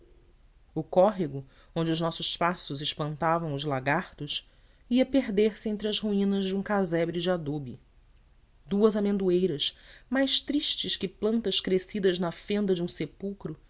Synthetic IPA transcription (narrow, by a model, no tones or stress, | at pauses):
ʊkɔɦiɡʊ | õnd͡ʒɪʊʒnɔsʊʃpasʊzɪʃpɐ̃nt̪avɐ̃w̃ʊzlaɡaɾt̪ʊʃ | iɐpeɦd̪eɾsɪẽnt̪ɾɪɐzhuĩnɐzd͡ʒɪũkazɛbɾɪd͡ʒɪad̪obḭ | d̪uɐzamẽnd̪uejɾɐʃmajʃt̪ɾiʃt͡ʃɪʃkɪplɐ̃nt̪ɐʃkɾesid̪ɐznɐfẽnd̪ɐd͡ʒɪũsepuwkɾʊ